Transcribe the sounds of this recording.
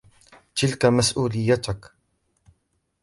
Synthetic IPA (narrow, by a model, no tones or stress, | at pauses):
t̪ɪlkamasʔuːlɪjːat̪ak